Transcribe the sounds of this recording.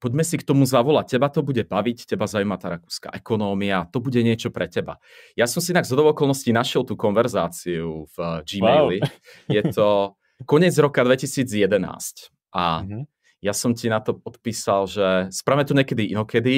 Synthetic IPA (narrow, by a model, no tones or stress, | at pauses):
pɔɟmɛsikt̪ɔmuzaʋɔlac̚cɛbat̪ɔbuɟɛbaʋiccɛbazaumat̪aːɾakuːska̰ʔɛkɔnɔːmiat̪ɔbuɟɛɲɪɛt͡ʃɔpɾɛcɛba̰ | jasɔmsiɛnaɡzɦɔd̪ɔʋɛɔkɔlˠnɔscinaʃɪɛlˠt̪uːkɔnʋɛɾzaːt͡siuvd͡ʒimɛli | jɛt̪ɔ | kɔɲɛd͡zɾɔkad̪ʋɛcisiːd͡zjɛd̪ɛna̰ːsc | ʔa̰ | jasɔmcinat̪ɔp̚ɔt̪piːsalʒɛspɾaːvmɛt̪ɔɲɛkɛd̪iinɔkɛd̪i